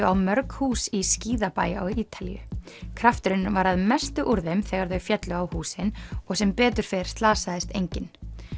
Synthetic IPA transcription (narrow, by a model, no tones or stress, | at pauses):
ʏawmœɾkhuːsisciːðapaːja̰wiːt̪ʰalḭjʏ̰kʰɾaft̪ʏɾʏnvaɾaðmɛst̪ʏʔuɾðɪmθɛɣaɾðœɥfjɛt̪lʏawhuːsɪnɔɣsɛmpɛːt̪ʏɾ̥fɛɾ̥st̪laːsaðɪst̪ejɲcɪn